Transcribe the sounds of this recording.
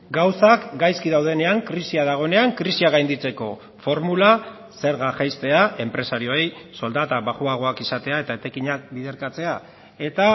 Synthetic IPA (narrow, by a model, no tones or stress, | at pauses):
ɡawsakɡajskiðawð̞e̞ne̞aŋkɾisiaðaɣ̞o̞ene̞aŋkɾisiaɣ̞ajnd̪it͡se̞ko̞ | fo̞ɾmula | se̞ɾɣaʝajst̪e̞aʔe̞mpɾe̞saɾio̞ejso̞ld̪at̪aβaɣuaɣ̞o̞akisat̪e̞ae̞t̪aet̪e̞kiɲak̚biðe̞ɾkat͡se̞a | e̞t̪a